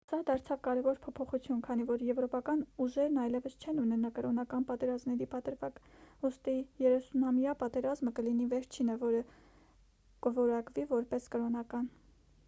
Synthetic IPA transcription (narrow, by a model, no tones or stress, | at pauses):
sɑd̪ɑɾt͡sʰɑvkɑɾɛvɔɾpʰɔpʰɔχut͡sʰjunkʰɑnivɔɾjɛvɾɔpɑkɑnuʒɛɾnɑjlɛvəst͡ʃʰɛnunɛnɑkəɾɔnɑkɑnpɑt̪ɛɾɑzmnɛɾipɑt̪əɾvɑkust̪ijɛɾɛsunɑmjɑpɑt̪ɛɾɑzməkəlinivɛɾt͡ʃʰinəvɔɾə | kəvɔɾɑkvivɔɾpɛskəɾɔnɑkɑn